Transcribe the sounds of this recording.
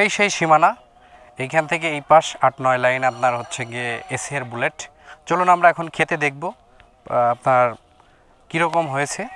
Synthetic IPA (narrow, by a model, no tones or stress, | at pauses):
ʃejʃejʃimana | ejkʰanet̪ʰek̬eejpaʃaʈnɔelajnapnaɾɦotːɕʰeɡeesieɾbuleʈ | t͡ɕolonamɾaɛkʰonkʰet̪ed̪ek̚ʰbo | apnaɾ | kiɾɔkomɦojet͡ɕʰe